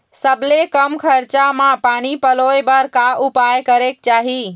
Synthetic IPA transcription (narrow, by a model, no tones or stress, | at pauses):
səbʱlekəmkʰəɾt͡ʃamãpaːnipəlojbəɾkaʔʊpajkəɾek̚t͡ʃaːɦi